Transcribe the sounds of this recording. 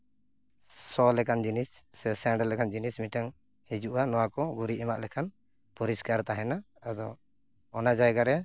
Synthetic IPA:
sɔlɛkand͡ʒinisːɛsɛɳɖɛlɛkʰand͡ʒinismiʈaŋ | hid͡ʒuʔanɔwakɔɡuɾiʔɛmaʔlɛkʰan | pɔɾiskaɾt̪aɦɛnaː | d̪ɔː | nad͡ʒajɡaɾɛ

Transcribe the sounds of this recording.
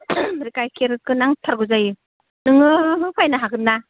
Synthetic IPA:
ɾikajkʰeɾɯkɯnaŋtʰaɾɡɯzajɯ | nɯŋɯɯpʰajnaɦaɡɯna

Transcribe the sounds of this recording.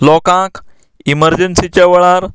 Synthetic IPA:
lɔkãk | iməɾd͡ʑənsit͡ɕaʋəɭaɾ

